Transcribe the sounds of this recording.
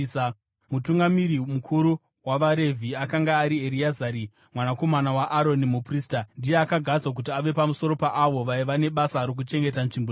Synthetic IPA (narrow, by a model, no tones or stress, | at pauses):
mutuŋɡamiɾimukʰuɾu | waʋaɾe̞vʱiakaŋɡaːɾieɾiazaɾi | mwanako̞manawaʔaɾo̞nimupriːstandijeakaɡʱad͡zwak̬utiaʋe̞pamuso̞ɾo̞paʔaʋo̞ʋaiʋane̞ɓasaɾok̬ut͡ʃe̞ŋɡe̞tanʐimbo